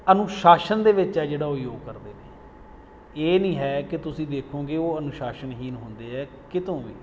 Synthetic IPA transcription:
ənʊʃaːʃənd̪eːʋɪt͡ʃɦɛːd͡ʒeːɽaːʊjoːɡ̚kəɾd̪eːneː | eːnĩːɦɛːkɪt̪ʊsĩːd̪eːkʰõːɡeːoːənʊʃaːʃənɦiːnɦʊ̃nd̪eːɛː | kɪt̪õːʋḭː

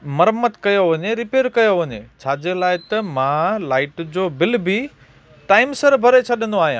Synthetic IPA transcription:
mɐɾmət̪kɐjoʋɐɲeɾɪpeːɾkɐjoʋɐɲet͡ɕʰaːd͡ʑelaːɪt̪ɐmãlaːɪʈd͡ʑoːbɪlbi | ʈaːɪmsəɾbʱɐɾet͡ɕʰɐɗə̃nd̪oaːɦijãː

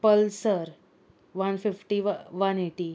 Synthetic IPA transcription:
pəlsəɾ | ʋanfifʈiʋʋaneʈi

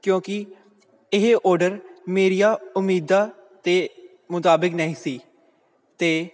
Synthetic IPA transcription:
kjõːkɪ | ɪɦʔɔːɾɖəɾmeːɾijaːʊmːiːd̪aː | t̪eː | mʊt̪aːbɪknəĩːsiː | t̪eː

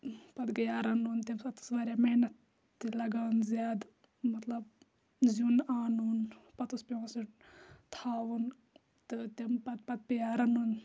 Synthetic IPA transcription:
pɐt̪ɡɐjaːɾɐnunt̪ʲɐmsɐt̪ɨ̥sʋaːɾʲjaːmɐnɐt̪ː | ilɐɡaːunzjaːd̪ | mɐt̪lɐb | zunaːnunpɐt̪uspʲjõːsit̪ʰaːʋun | t̪ɨt̪ɐmpɐt̪̚pɐt̪̚pijaːɾɐnun

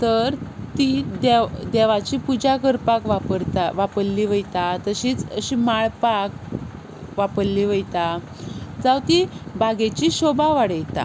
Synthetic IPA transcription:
t̪əɾt̪id̪ed̪eʋat͡ɕiːpud͡ʑakəɾpakʋapəɾt̪aʋapəɾliʋəjt̪at̪əɕiːt͡səɕimaɭpak | ʋapəɾliʋəjt̪a | d͡zawt̪ibʱaɡet͡ɕiɕobaʋaɽəjt̪a̰

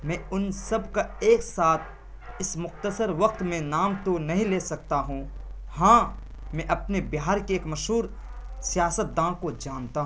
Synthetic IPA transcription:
mɛ̃ːʊnsɐb̚kaeːksaːt̪ʰ | ɪsmʊxt̪əsəɾʋɐq̚t̪mẽnaːmt̪onɐɦĩleːsɐk̚t̪aɦũ | hãː | mɛ̃ʔɐpnebjɦaːɾkeeːkmɐʃɦuːɾ | sijaːsət̪̚d̪ãːkod͡ʒaːnt̪aɦ

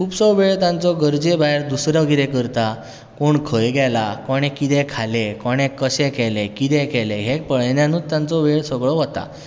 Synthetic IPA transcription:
kʰuːpsɔʋeɭt̪ãnt͡sɔɡəɾd͡ʑebaeɾd̪usɾjaɡiɾɛkəɾt̪a | koɳkʰəjɡɛlakɔɽ̃ɛ̃kit̪ɛ̃kʰalekɔɽ̃ɛ̃kːəɕɛkɛlekit̪ɛ̃kɛleɦek̚pəɭnjãnuːt̪ːãnt͡sɔʋeɭsəɡɭɔɦɔt̪a̰

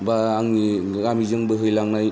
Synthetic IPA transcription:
baːŋi | ɡamizɯŋbɯɦɯjlaŋnaj

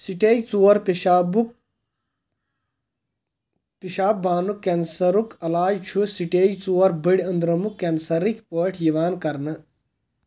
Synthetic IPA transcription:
siʈeːjt͡suːɐɾpiabu | piʃaːb̚bʱaːnukːensɐɾukɐlaːd͡ʒt͡ʃʰusiʈeːjt͡suwɐɾbəɽʲɐnd̪ɾɐmukːensɐɾikʲpəːʈʰjiʋaːnkɐɾnɐ

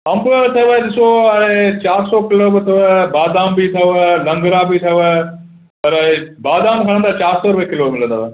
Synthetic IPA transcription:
ɐ̃mbabɪt̪ʰɐʋaed̪ɪsoẽt͡ɕaːɾsɔkɪlobɪt̪ʰɐbaːd̪aːmbit̪ʰɐalɐ̃ŋɡɾabit̪ʰɐa | pɐɾbaːd̪aːmkʰɐɽ̃ə̃nd̪aːt͡ɕaːɾsɔɾʊʋekɪlomɪlə̃nd̪aːʋ

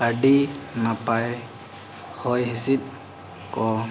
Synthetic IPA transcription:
aɖinapaj | hɔjɦisit̪̚ˀ | kɔ

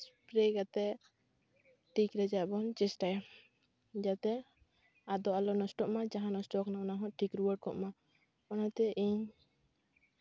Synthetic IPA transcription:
spɾɛɡat̪ɛ | ʈikɾɛd͡ʒaʔbɔnt͡ʃɛsʈaja | d͡ʒat̪ɛ | ad̪ɔalɔnɔsʈɔʔmad͡ʒaɦãnɔsʈɔknanaɦɔ̃ʈʰikɾuwəɖ̚kɔ̰ʔma | kɔnat̪ɛʔiɲ

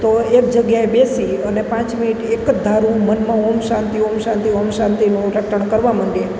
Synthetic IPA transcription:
t̪oekd͡ʒəɡjaebesiənepãt͡ʃminiʈʰekd̪ʱaɾũmənmãomʃãnt̪iomʃãnt̪iomʃãnt̪inũɾəkʈʰəɳ̃kəɾʋaməɳɖe

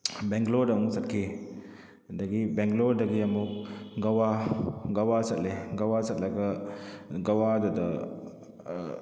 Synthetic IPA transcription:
bɛŋɡlodamusat̚kʰi | daɡibɛŋɡlodaɡiamuk̚ɡawaɡawasat̚leɡawasat̪̚laɡə | ɡawadɔdə

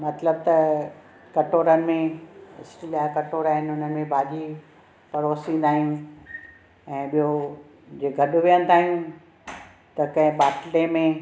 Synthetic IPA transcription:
mɐt̪ləb̚t̪ɐ | kɐʈoːɾənɪ̆mẽɪ̰sʈɪlijakɐʈoːɾaːɦɪnɪʊnəmẽbʱaːʄi | pɐɾoːsĩːn̆d̪aːɦijũ | ɛ̃ːɓijo | d͡ʑeːɡʱɐɗʊʋijə̃nɪ̆t̪ʰaːɦijũ | t̪ɐkɐ̃ɦɪ̃ɓaːʈlemẽ

